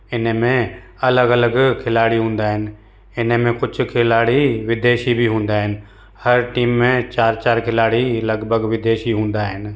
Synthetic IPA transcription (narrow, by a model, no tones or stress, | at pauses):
ɪnmẽ | ɐləɡələɡkʰɪlaːɽiɦũːnd̪aːɦɪn | ɪnmẽkʊt͡ʃʰkʰɪlaːɽiʋɪd̪eːʃibʱiɦʊ̃ːnd̪aːɦɪn | həɾʈiːmːẽt͡ʃaːɾt͡ʃaːɾkʰɪlaːɽiləɡbʱəɡʋɪd̪eːʃiɦũːnd̪aːɦɪn